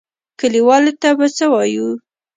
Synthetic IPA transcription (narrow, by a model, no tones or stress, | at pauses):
kəliwɑlet̪abat͡səwɑju